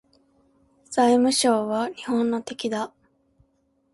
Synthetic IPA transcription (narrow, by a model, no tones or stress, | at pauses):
z̥aimɯ̟ɕo̞ːβaɲ̟ihõ̞nːo̞t̪e̞kʲid̪a